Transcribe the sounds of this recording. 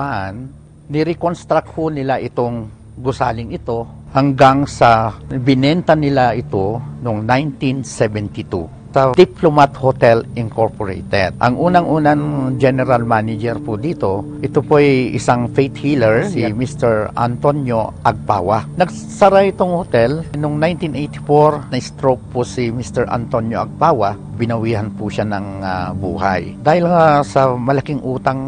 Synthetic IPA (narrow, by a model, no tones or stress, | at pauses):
ʔanː | ɪɾɛkonst̪ɾak̚honɪlaʔɪt̪oŋ | ɡʊsaːlɪŋɪt̪o̞ | hɐŋɡaŋsɐbɪnɛnt̪ɐnɪlaʔɪt̪onoŋnajnt̪insɛvɛnt̪ɪt̪ṵ | sɐd̪̥iplomat̪hot̪ɛlʔɪŋkoɹpoɹḛjt̪ɛ̰d̪̚ʔɐ̰ŋʔuːnɐŋʔuːnɐŋd͡ʒɛnɛɾalmanɪd͡ʒɛɾpʊd̪iːt̪o̞ʔɪt̪opoʔɐjʔɪsaŋfejt̪hiːlɛɹsimist̪ɛɹʔɐ̰nt̪onjoʔɐɡ̚pa̰ːwanɐɡ̚ | saɾajɪt̪oŋhot̪ɛlnʊŋnajnt̪inʔejt̪ɪ̥foɾnɐɪst̪ɾowk̚posimist̪ɛɹʔɐ̰nt̪onjoʔɐɡ̚paːwa | bɪnɐwiːhɐnpuʃanɐŋabṵːha̰jd̪aːhɪlŋasɐmɐlɐkiŋʔuːt̪aŋ